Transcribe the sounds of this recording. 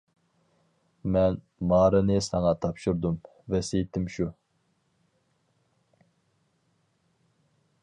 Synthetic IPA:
mɛn | mɑːɾɨnɨsɑŋɑt̪ʰɑpʃuɾd̪um | vɛsejt̪ʰɪmʃu

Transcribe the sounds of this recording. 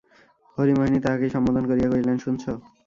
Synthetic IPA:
hoɾimoɦinit̪aakeʃɔmːod̪ʱonkoɾiakoɾilenʃunt͡ɕʰo

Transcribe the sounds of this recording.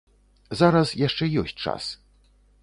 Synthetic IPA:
zaɾasjaʂt͡ʂɛjɔsʲt͡ɕʲt͡ʂa̰s

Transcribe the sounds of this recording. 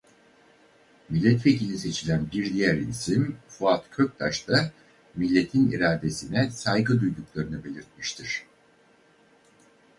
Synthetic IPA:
milʲːɛt̪ve̞cʰilʲise̞t͡ʃʰilʲænbiɾd̪ijæɾḭlʲsimfuat̪kʰø̞k̚t̪ʰa̰ʃt̪ʰa | milʲːe̞t̪ʰinḭɾaːd̪e̞sinɛsajɡɯd̪ujd̪uklˠaɾɯnɯbe̞lʲiɾt̪̚miʃt̪ʰiɾ̝̥

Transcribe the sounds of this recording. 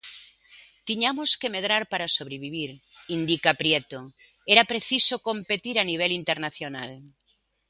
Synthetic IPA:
t̪iɲamoskemeðɾaɾpaɾasoβ̞ɾeβiβ̞iɾ | ind̪ikapɾjet̪o | eɾapɾeθisokompet̪iɾaniβ̞elint̪eɾnaθjona̰l

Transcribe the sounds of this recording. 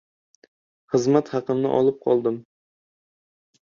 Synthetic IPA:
χɨzmæt̪hɑqɨmnɪ̰ʔɒ̰lˠɨp̚qʰɒ̰lˠd̪ɨm

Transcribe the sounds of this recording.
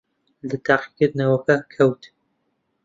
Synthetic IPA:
lɨt̪ʰaːqi̥kɨɾd̪nɐwɐkɐkʰɐwt̪

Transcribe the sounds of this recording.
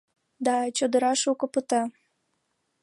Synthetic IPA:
d̪ɑt͡ɕod̪əɾɑʃukəpət̪ɑ

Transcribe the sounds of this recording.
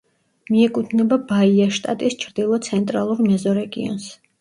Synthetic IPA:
miɛkʼud̪ʰnɛbabaiaʃt̪ʼa̰t̪ʼist͡ʃʰɾd̪̥ilˠɔt̪sʰɛnt̪ʼɾalˠuɾmɛzɔɾɛɡḭɔ̰ns

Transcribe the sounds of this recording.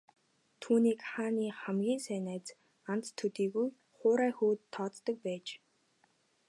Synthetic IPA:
t̪ʰuːniːkχaːniːχæmɡʲiːnsæːnæːt͡s | ant͡s̪t̪ʰːɵt̪iːɣuj | χʊːɾæːxuːt̪ʰːɔːt̪ːɞ̆k̚pæːt͡ɕ

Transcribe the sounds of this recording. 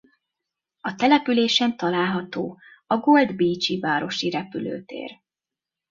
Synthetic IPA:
ɒt̪ɛlɛpyleːʃɛnt̪ɒlaːlɦɒt̪oː | ɒɡo̞ld̪biːt͡ʃivaːɾo̞ʃiɾɛpylø̰ːt̪ḛːr

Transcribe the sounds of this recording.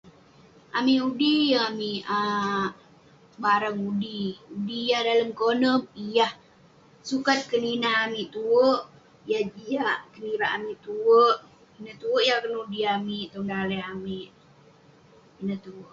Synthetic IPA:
amiʔudijaamia | baɾaŋudiudijahdaləmkonəmijah | sukat̪̚kəninaamiʔt̪uəʔ | jahd͡ʒiaʔkəniɾaʔamiʔt̪uəʔ | inət̪uəʔjakənudiamiʔt̪ɔŋdalɛjamiʔ | inət̪uəʔ

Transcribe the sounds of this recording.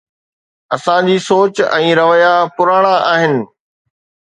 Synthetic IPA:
ɐsãd͡ʑiːsoːt͡ɕɛ̰̃ːɾɐʋəjapʊɾaːɽ̃aʔaːɦɪnɪ̆

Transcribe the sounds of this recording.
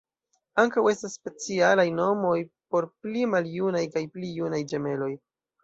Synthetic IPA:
aŋkawe̞stasːpe̞t͡sialajno̞mo̞jpo̞ɾplimaljunajkajplijunajd͡ʒe̞me̞lo̞j

